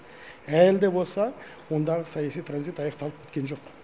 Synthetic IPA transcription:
æld̪e̞bo̞lˠsɑ | wo̞nd̪ɑʁəsɑjɑsijt̪ʰranzijt̪ɑjɑqt̪ɑlˠəpkʰʲet̪kʲe̞nʒo̞q

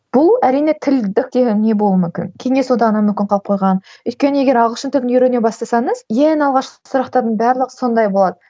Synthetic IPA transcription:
b̥ʊlˠæɾijne̞t̪ʰɪld̪ɪk̚ʲd̪e̞ɡʲenne̞bo̞lˠuəmʏmkʲɪ̰nkʲʰe̞ŋe̞swod̪ɑʁənɑmʏmkʲɪnɴqʰɑlˠp̚qʰo̞jʁɑnʏjt̪̚kʲe̞nəe̞ɡʲe̞ɾɑʁʁlˠʃənt̪ʰʏbɪnjʏɾe̞nebɑst̪ɑsɑɴəzjenɑlˠʁɑʃqəsʊɾɑqt̪ɑɾd̪ənbæɾlˠəqso̞nd̪ɑjbo̞lˠɑd̪ə

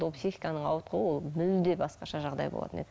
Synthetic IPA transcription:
opsiχi̥kɑnəɴɑwət̪̚qʰəwəwolˠmʏld̪ebɑsqɑʃɑʒɑʁd̪ɑ̰jbo̰ɑ̰t̪əne

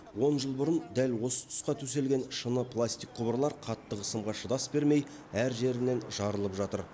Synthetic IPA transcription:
wo̞nʒəlˠbʊɾənd̪ælwo̞sə̥t̪ʰʊ̥sqɑt̪ʰɵs̬e̞lɡʲe̞nʃənəpʰlˠasʲt̪ijk̚qʰʊbəɾlˠɑɾqʰɑt̪ːəqəsəmʁɑʃəd̪ɑsbe̞ɾme̞j | æɾʒe̞ɾɪnːe̞nʒɑɾəlˠəpʒɑt̪əɾ

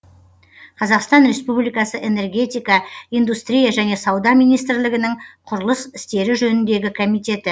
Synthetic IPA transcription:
qʰɑzɑqst̪ɑnɾe̞spublijkɑsəʔe̞ne̞rɡʲe̞t̪ijkɑijnd̪ust̪ɾʲijaʒæne̞sɑwd̪ɑmijnijst̪ɪɾlɪɡʲɪnɪŋqʰʊɾəlˠəsɪst̪e̞ɾɪʒɵnɪnd̪e̞ɡʲɪkʰo̞mijt̪e̞t̪ɪ

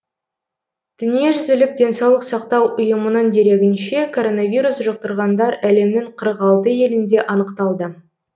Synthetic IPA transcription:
d̪̥ʏnije̞ʒʏzɪlɪk̚d̪ʲe̞nsɑwlˠəqsɑqt̪ɑwʔʊjəmənəɴd̪e̞ɾe̞ɡʲɪnʃe̞kʰo̞ɾo̞navʲijɾusʒəq̚t̪əɾʁɑnd̪ɑɾæle̞mnɪŋqʰəɾəqɑlˠt̪əje̞lɪnd̪e̞ʔɑnəqt̪ɑlˠd̪ə

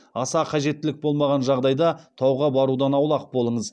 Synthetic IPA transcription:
ɑsɑqʰɑʒe̞t̪ːɪlɪk̚bo̞lˠmɑʁɑnʒɑʁd̪ɑjd̪ɑt̪ʰɑwʁɑbɑɾud̪ɑnɑwlˠɑq̚bo̞lˠəɴəz

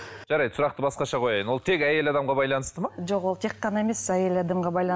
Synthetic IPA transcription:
ʒɑɾɑjd̪sʊɾɑqt̪əbɑsqɑʃɑqʰo̞jɑjənwo̞lˠt̪ʰe̞kʲæje̞lɑd̪ɑmʁɑbɑjlˠɑnəst̪əmɑʒo̞qwo̞lˠt̪ʰe̞qːɑnɑe̞me̞sæje̞lɑd̪ɑmʁɑbɑjlˠɑ

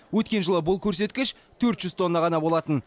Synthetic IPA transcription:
wɵt̪kʲe̞nʒəlˠəbʊlˠkʲʰɵɾse̞t̪kʲɪʃ | t̪ʰɵɾt̪ʒ̥ʏzt̪ʰo̞nːɑʁɑnɑbo̞lˠɑt̪ən

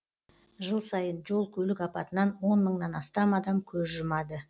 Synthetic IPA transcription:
ʒəlˠsɑjənʒo̞lˠkʲʰɵlɪkɑpɑt̪ənɑnwo̞nməɴnɑnɑst̪ɑmɑd̪ɑmkʲʰɵzʒʊmɑd̪ə

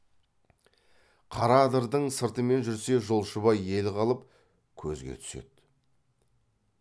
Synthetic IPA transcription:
qʰɑɾɑd̪əɾd̪əɴsəɾt̪əme̞nʒʏɾse̞ʒolˠʃəβɑje̞lqʰɑlˠəp̚ | kʲʰɵzɡʲḛt̪ʰʏ̥se̞̰d̪̥

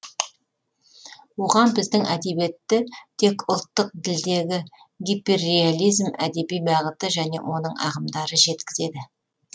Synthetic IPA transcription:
wo̞ʁɑnbɪzd̪ɪŋʔæd̪e̞be̞t̪ːɪt̪ʰe̞kʊlˠt̪ːəq̚d̪ɪld̪e̞ɡʲɪ | ɡʲipːerealʲijzmæ̰d̪e̞bijbɑʁət̪əʒæne̞̰wʔo̞nəɴɑ̰ʁəmd̪ɑɾəʒe̞t̪kʲɪze̞d̪ɪ

